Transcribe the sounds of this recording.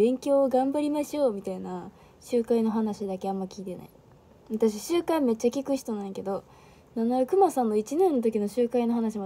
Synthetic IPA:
bẽ̞ŋkʲo̞ːɡãmbaɾʲimaɕijo̞ːmʲit̪aina | ɕɨːkaino̞ɦanaɕid̪ake̞amːakʲiːt̪e̞na̰i | βat̪aɕ̬iɕɨːkaime̞t͡ɕːakʲikɯ̟çi̥t̪o̞nãike̞d̪o̞ | nanoakɯ̟masãnːo̞it͡ɕinẽ̞nːot̪̬o̞kʲino̞ɕɨːkaino̞ɦanaɕ̬ima

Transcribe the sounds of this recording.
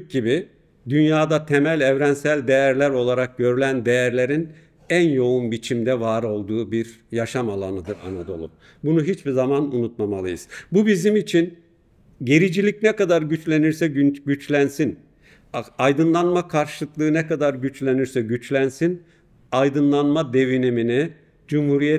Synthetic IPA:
ɟibi | d̪ynjaːd̪at̪ʰemælʲɛvɾænsælʲd̪e̞jæɾlʲæɾo̞lˠaɾak̚ɟø̞ɾylʲænd̪e̞jæɾlʲe̞ɾin | ænjo̞unbit͡ʃʰimd̪ɛvaːɾo̞lˠd̪uːbiɾjaʃamalˠanɯd̪ɯɾa̰nad̪o̞̰lˠṵ | bunuɦit͡ʃbizamanunut̪̚mamalˠɯ̰jɯ̰z̥bubizimit͡ʃʰin | ɟeɾid͡ʒilʲic̚nɛkad̪aɾɟyt͡ʃlʲe̞niɾsɛɟyt͡ʃlʲænsin | ajd̪ɯnlˠanmakʰaɾʃɯlˠɯklˠɯːnɛkad̪aɾɟyt͡ʃlʲe̞niɾsɛɟyt͡ʃlʲænsin | ajd̪ɯnlˠanmad̪e̞vinimini | d͡ʒumhuɾijɛ

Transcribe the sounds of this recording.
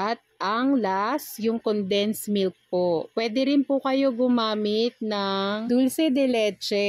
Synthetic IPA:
ʔɐt̪̚ʔɐŋlasjʊŋkond̪ɛnsmɪlk̚popwɛd̪ɛɾɪnpʊkɐjo̞ɡʊmaːmɪt̪̚nɐŋd̪ulsɛd̪ɛlɛːt͡ʃɛ

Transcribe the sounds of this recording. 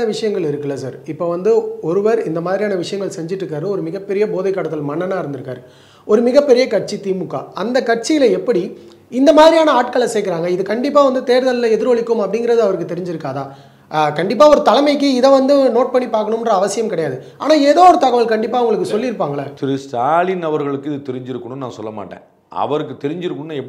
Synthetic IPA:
nɐʋɪʂɐjɐŋɡɐɭɪɾɯkːɯlɐːsa̰ːɾɪpːoːʋɐnd̪ɯɔɾɯʋɐɾɪnd̪ɐmaːðɾijaːnɐʋɪʂɐjɐŋɡɐɭsɛɲd͡ʒɪʈːɾɯk̬ːaːɾɯɔɾɯmɪɣɐpːɛɾɪjɐboːðɐɪkːaːɽɐt̪ːɯlmɐɳːɐnaːɪɾɯnd̪ɯɾɯkːa̰ːɾɯ | ɔɾɯmɪɣɐpːɛɾɪjɐkɐʈt͡ʃit̪iːmɯkːa̰ːɐnd̪ɐkɐʈ̚t͡ʃijɪlɐɛpːɐɽi | ɪnd̪ɐmaːðɾijaːnɐaːʈkɐɭɛsɛːkːɪɾaːŋɡɐɪðɯkɐɳɖɪpːaːʋɐnd̪ɯt̪eːɾðɐllɐɛðɪɾʋɐɭɪkːɯmɐpːɐɽɪŋɡɪɾɐðɯɐʋɐɾɯk̬ːɯt̪ːɛɾɪɲd͡ʒɪɾɯkːaːðaː | kɐɳɖɪp̬ːaːɔɾɯt̪ɐlɐmɐɪk̬ːɯɪðɛʋɐnd̪ɯnoːʈ̚pɐɳːipaːɾkɐɳɯmɪndrɐɐʋɐsɪjɐmkɪɽɐjaːðɯ | a̰ːnaːeːðoːɔɾɯt̪ɐɣɐʋɐɭkɐɳɖɪpːaːʊŋɡɐɭɯkːɯsɔlːɪɪɾɯpːaːŋɡɐɭɐt̪ɪɾɯst̪aːɭinɐʋɐɾɣɐɭɯkːɯɪðɯt̪ɛɾɪɲd͡ʒɪɾɯkːɯɳɯnãːsɔlːɐma̰ːʈːḛ̃ː | ɐ̰ʋɐɾɯkːɯt̪ɛɾɪɲd͡ʒɪɾɯkːɯɳnːɛpː

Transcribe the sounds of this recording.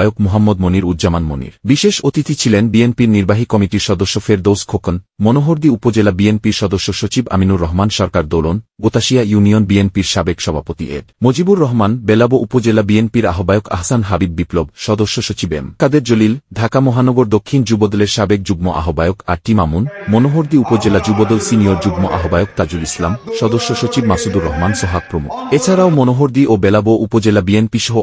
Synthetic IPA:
jokmoɦamːod̪̚moniɾud̪d͡ʑamanmo̰nḭɾbiʃeʃot̪it̪it͡ɕʰilenbienpiɾniɾbaɦikɔmiʈiɾʃɔd̪oʃːofeɾd̪owskʰokonmonoɦoɾd̪iupod͡ʑelabienpiɾʃɔd̪oʃːoʃot͡ɕiba̰minuɾːɔɦmanʃɔɾkaɾd̪olonɡot̪aʃijajunionbienpiɾʃabekʃɔbʱapot̪iʔḛɖmod͡ʑibuɾːɔɦmanbelaboʔupod͡ʑelabienpiɾaɦobaeoka̰ɦsanɦabibːiplobʃɔd̪oʃːoʃot͡ɕibḛmkad̪eɾd͡ʑolild̪ʱakamɔɦanɔɡoɾd̪okʰːind͡ʑubod̪ɔleɾʃabek̚d͡ʑuɡmoʔa̰ɦobaeokaɾʈimamunmonoɦoɾd̪iupod͡ʑelad͡ʑubod̪ɔlsinioɾd͡ʑuɡmoʔa̰ɦobaeok̚t̪ad͡ʑuɾislamʃɔd̪oʃːoʃot͡ɕibmasud̪uɾːɔɦmansɔɦak̚pɾomṵkʰet͡ɕʰaɾaomonoɦoɾd̪iʔobɛlaboʔupod͡ʑelabienpiʃɔɦo

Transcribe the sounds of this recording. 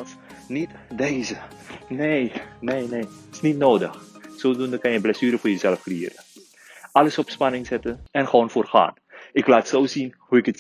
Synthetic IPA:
s | nit | deːzəneːneːneːtɪ̥snitnoːdəxsoːdundəkɑnjəblɛsyːɾəfʊːrjəzɛlfkrijɪ̰ːɾə | ɑləsɔpspɑnɪŋzɛtənɛnχʋoːnfoːrχa̰ːn | ɪklaːtsoːzinhuɪkət

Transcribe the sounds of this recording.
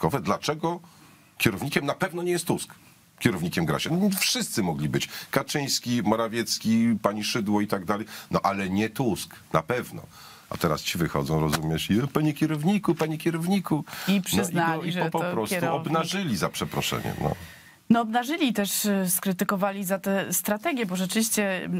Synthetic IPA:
kɔvɛd̪lat͡ʂɛɡɔ | kʲɛɾɔvɲikʲɛmnapɛvn̪ɔɲɛjɛst̪ːusk | kʲɛɾɔvɲikʲɛmɡɾa̰ɕanfʂɘst̪sɘmɔɡlʲibɘt͡ɕkat͡ʂɘ̃j̃skʲimɔɾavʲjɛt̪skʲipaɲiʂɘd̪wɔit̪aɡd̪alɛjnɔʔalɛɲɛt̪usk | na̰pɛvnɔ̰ | a̰t̪ɛɾa̰st͡ɕivɘxɔ̰d̪zɔ̃w̃ɾɔzumʲjɛʂipaɲɛkʲɛɾɔvɲikupaɲikʲɛɾɔvɲikuipʂnɨzniaɔiiɔpɔppɾɔsuɔbnaʐɘlʲizapʂɛpɾɔʂɛ̰ɲɛ̰nɔ̰ | nɔɔbnaʐɘlʲit̪ɛʂskɾɘt̪ɘkɔvalʲizat̪ɛst̪ɾat̪ɛɡʲjɛbɔʐɛt͡ʂɘvʲiɕt͡ɕɛ

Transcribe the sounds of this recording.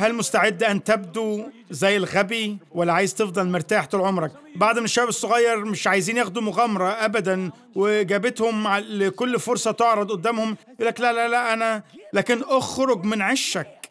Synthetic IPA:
hælmost̪aʕed̪ːʔænt̪æb̚d̪u | zæjːelɣæbiwælːæʕaːjezt̪efd̪ˤɑlmeɾt̪aːħt̪elʕomɾˤɑk | baʕd̪menʃæːbesˤːoɣɑjːɑɾˤmeʃʕajziːnjæxd̪umʊɣæmɑɾˤɑʔæbæd̪æn | weɡæːbet̪homʕalekolːfoɾˤsˤɑt̪oʕɾˤɑd̪ˤʔod̪ːæːmhomʔulːæklælælæʔænælæːkenʔoxɾoɡmenʕeʃːæk̚

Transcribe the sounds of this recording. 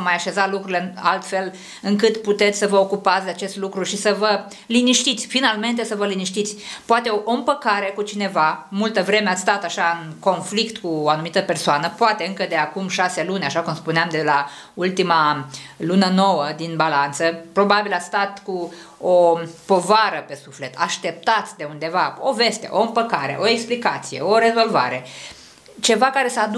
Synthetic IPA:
majaʃe̞zalukɾuɾilea̰lt̪fe̞l | ɨŋkɨt̪put̪e̞t̪sʲsəvəokupat̪sʲd̪eat͡ʃe̞st̪lukɾuʃisəvə | liniʃt̪it̪sʲfinalme̞nt̪e̞səvəliniʃt̪it̪sʲpoat̪e̞oʔoɨmpəkaɾe̞kut͡ʃine̞vamult̪əvɾe̞meast̪at̪aʃaɨnko̞nflikt̪kuoanumit̪əpe̞rsoanəpoat̪e̞ɨŋkəd̪e̞akumʃase̞lunʲaʃakumspuneamd̪ela | ult̪imalunəno̞wəd̪inbalant̪səpɾo̞babilast̪at̪ku | opo̞vaɾəpe̞sufle̞t̪aʃt̪e̞p̚t̪at̪d̪e̞und̪e̞vaove̞st̪e̞̰ʔo̞ɨmpəkaɾḛʔo̞eksplikat̪sije̞̰o̞ɾe̞zo̞lva̰ɾe̞ | t͡ʃe̞vakaɾe̞səad̪

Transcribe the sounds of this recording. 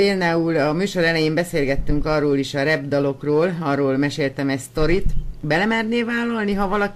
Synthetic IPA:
eːld̪aːulɒmyːʃo̞ɾɛlɛjembɛseːlɡɛt̪ːyŋkɒrːoːliʃɒɾɛbd̪ɒlo̞kroːlɒrːoːlmɛʃeːlt̪ɛmɛcst̪o̞ɾit̪bɛlɛmɛrneːvaːlːɒlniɦɒvɒlɒ

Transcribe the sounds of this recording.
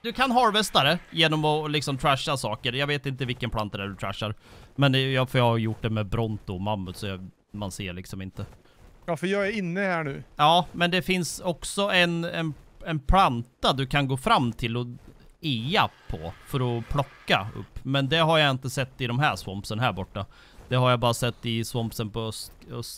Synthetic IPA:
d̪ɵkʰanɦɑːɾvɛst̪aɾəjeːnɔmɔlɪksɔmt̪ʰɾæʂːasɑːkəɾjɑveːt̪ɪnt̪̬əvɪlkːənpʰlant̪ad̪ɛɖɵt̪ʰɾæ̰ʂːaɾmɛnjɑːfœɾjɑːhajʊʈːɖɛmɛbɾɔnt̪ʊmamːʉsɔjɑ | manseːɭɪksɔmɪnt̪ə | jafœjɑːæɾɪnːəhæːɳʉːɑːmɛnd̪ɛfɪnsɔksɔɛnɛnɛnpʰlant̪ad̪ɵkʰanɡoːfɾamːt̪ʰɪlːɔ | eapʰɔ̰fœɾɔpʰlɔkːa̰ɵ̰pːmɛnd̪ɛɦaɾjaɪnt̪əsɛt̪ːɪd̪ɔmɦæːɾʂvɔmpsənaɦæːɾbɔʈːa | d̪̥ɛɦaɾjabɑːɾasɛt̪ːɪsvɔmpsənpʰɔœst̪œs

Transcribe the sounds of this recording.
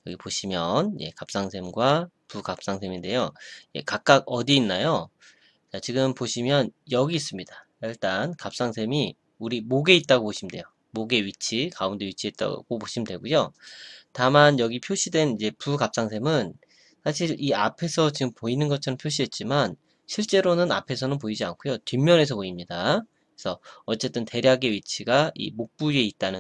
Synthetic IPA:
jʌɡipoɕʰimjʌnje̞̰kap̚s͈aŋsʰe̞mɡwa | pukap̚s͈aŋsʰe̞minde̞joje̞̰kak̚k͈aɡ̚ʌdiːnːajo | t͡ɕat͡ɕiɡɯmpoɕʰimjʌnjʌɡiːs͈ɯmɲida | iɭt͈ankap̚s͈aŋsʰe̞mi | uɾimoɡe̞it̚t͈aɡopoɕʰimndwe̞̰jo | moɡe̞ɥit͡ɕʰikaundeɥit͡ɕʰie̞t̚t͈a̰ɡ̥opoɕʰimdwe̞ɡujotamanjʌɡipʰjoɕʰidwe̞nid͡ʑe̞pukap̚s͈aŋsʰe̞mɯn | sʰaɕʰiɾia̰pʰe̞sʰʌt͡ɕiɡɯmpoinɯnɡʌt͡ɕʰʌɾʌmpʰjoɕ̬ʰiɦe̞t̚t͡ɕ͈iman | ɕʰiɭt͡ɕ͈e̞ɾonɯna̰pʰe̞sʰʌnɯnpoid͡ʑiankʰojot͡ɕɥimːjʌne̞sʰʌpoimɲida | sʰʌʌt͡ɕ͈e̞t͈ɯnte̞ɾjaɡe̞ɥit͡ɕʰiɡaḭmok̚p͈ue̞it̚t͈anɯ

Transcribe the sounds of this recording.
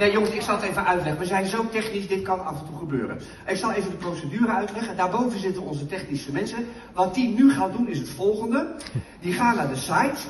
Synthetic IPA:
najoŋəsɪksɑlˠətejvənœɥtlɛχənʋəzɛjnzowtɛχnisdɪt̚kɑnɑ̰fəntuχəbø̰ːɾə̰n | ɪksɑlˠejvəndəprowsədyːɾəœɥtlɛχəndaːɹbowvənzɪtənʋəɔnzətɛχnisəmɛnsə | ʋɑt̚dinyχaːdunɪsətfɔlˠχəndədiχaːnaːɹdəsajt

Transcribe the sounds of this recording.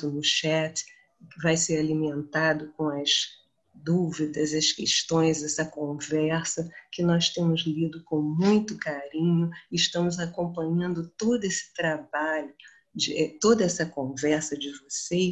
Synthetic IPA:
ʊnʊʃɛt̪ | vajseɾalimẽnt̪ad̪ʊkõw̃ɐz | d̪uvid̪ɐzɐskeʃt̪õj̃zɛsɐkõvɛɾsɐkɪnɔst̪ẽmʊzlid̪ʊkõmũj̃t̪ʊkaɾĩɲʊɪːʃt̪ɐ̃mʊzakõmpɐ̃ɲɐ̃nd̪ʊt̪od̪ʊesɪ̥t̪ɾabaʎʊ | d͡ʒɪɛt̪od̪ɐɛsɐkõvɛɾsɐd͡ʒɪvose

